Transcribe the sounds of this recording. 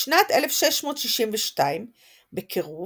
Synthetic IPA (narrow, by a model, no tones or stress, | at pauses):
ʃnatele̞fʃeʃmo̞tʃiʃimveʃtaim | bekʰeʁu